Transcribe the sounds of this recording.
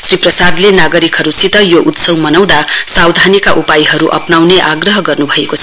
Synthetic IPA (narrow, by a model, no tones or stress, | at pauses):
sriprʌsad̪lenaɡʌɾikɦʌɾusit̪ʌjoʔut̪sʌwmʌnʌw̃d̪asawd̪ʱanikaʔupajɦʌɾuʔʌ̰pnawneʔaɡrʌɦʌɡʌrnubʱʌeko